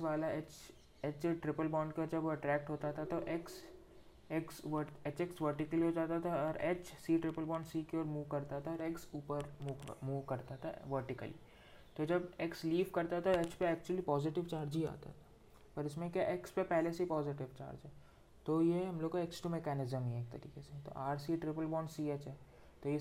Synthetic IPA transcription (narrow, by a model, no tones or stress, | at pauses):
ksʋaːlaet͡ʃ | eːt͡ʃʈɾɪpəlbɔːɳɖkad͡ʒɐboɐʈɾɛːk̚ʈɦoːt̪at̪ʰat̪oʔeks | eksʋəet͡ʃeksʋəɾʈɪkəliɦod͡ʒaːt̪at̪ʰaɔːɾeːt͡ʃsiːʈɾɪpəlbɔ̃ːɳɖsiːkeoːɾmuːʋkɐɾt̪aɦɛt̪ʰaɔːɾeksuːpəɾmuːmuːʋkɐɾt̪aɦt̪ʰa̰ʋəɾʈɪkə̰lḭ | t̪od͡ʒɐbeksliːʋkɐɾt̪at̪ʰaet͡ʃpeɛːk̚t͡ʃuəlipɔːzɪʈɪʋt͡ʃaːɾd͡ʒia̰ːt̪a̰ɦt̪ʰḁ | pɐɾɪsmẽkjaʔekspepɛɦleseipɔːzɪʈɪʋt͡ʃa̰ːɾd͡ʒɦɛː | t̪ojeɦɐ̃mloːɡkoeksʈumekɛːnɪzəmɦɛeːk̚t̪ɐɾḭːkeset̪o̰ʔaːɾsiːʈɾɪpəlbɔ̃ːɳsiːet͡ʃɦɛː | t̪oje